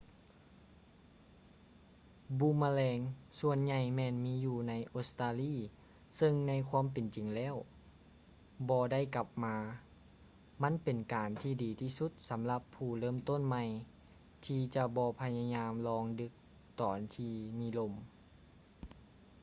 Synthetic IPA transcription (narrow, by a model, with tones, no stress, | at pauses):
bu˧˥maː˧lɛː˧ŋsu˧ənɲa˧˩jmɛː˧nmiː˧˥juː˧˩na˧˥jʔo˧st̪aː˧liː˧˥˩ | sɤ˧ŋna˧˥˨jkʰwaː˧˥˨mpe˨nt͡ɕi˨˩ŋlɛː˧˥˨w | bɔː˧da˥˩˨jka˧˥p̚maː˧ | ma˧˥˨npe˨˩nkaː˨˩nt̪ʰiː˧˩diː˨˩t̪ʰiː˧˩su˧˦t̪̚sa˨˦mla˧˦pʰːuː˧˩lɤː˧˥˨mt̪o˧˥˨nma˧j | t̪ʰiː˧t͡ɕa˧bɔː˧pʰa˧ja˧ɲaː˧mlɔː˧ŋdɯ˧˥k̚ | t̪ɔː˨˩nt̪ʰiː˧miː˧˥lo˧˥m